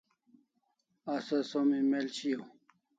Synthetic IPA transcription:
asɐsomimelɕijow

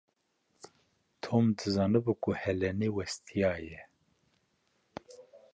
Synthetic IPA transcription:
t̪ʰoːmd̪ɨzɑːnɨbukʰuhɛlɛnewɛst̪ʰijɑːjɛ

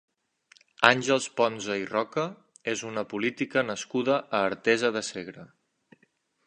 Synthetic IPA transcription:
anʲʒəlˠspɔnzəirɔkə | ezunəpulit̪ikənəskuðəʔːɾt̪ɛzəðəseɣɾə

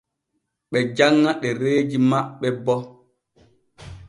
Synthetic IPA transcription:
ɓɛd͡ʒaŋːaɗɛɾeːd͡ʒimaɓːɛbɔ

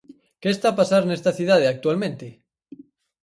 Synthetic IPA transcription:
keːst̪apasaɾnest̪aθjuð̞að̞eak̚t̪ualmẽnt̪e

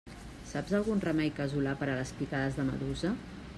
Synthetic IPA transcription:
sabzəlˠɣunrəmɛjkəzulapəɾələspikaðəzðəmə̰ðuzə

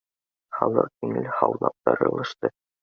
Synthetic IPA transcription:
χɑlˠɤq̚t̪iŋɘlχɑwlˠɑp̚t̪ɑɾɤ̰̆lˠɤ̆ʃt̪ɤ

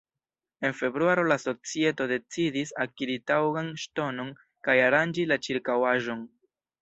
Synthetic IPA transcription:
e̞nfe̞bɾuaɾo̞laso̞t͡sie̞to̞de̞t͡sidisakiɾitawɡanʃto̞no̞n | kajaɾand͡ʒilat͡ʃiɾkawaʒo̞n

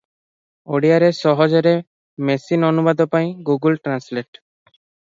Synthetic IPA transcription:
oɽijaɾeʃɔɦod͡ʑeɾe | mesinonubad̪opaj̃ɡuɡulʈɾansleʈ

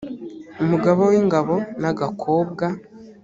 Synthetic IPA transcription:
umuɡaβowiːŋɡaβo̞naɡakʰoːb̚ɡa

